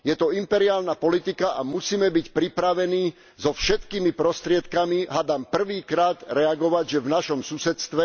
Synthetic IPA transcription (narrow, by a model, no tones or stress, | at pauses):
jɛt̪ɔimpɛɾiaːlnapɔlit̪ikaʔamusiːmɛbicpɾipɾaʋɛniː | zɔfʃɛt̪kiːmipɾɔst̪ɾɪɛt̪kamiɦad̪ampr̩ʋiːkɾaːd̪ɾɛaɡɔʋaɟʒɛvnaʃɔmsusɛt̪st̪ʋɛ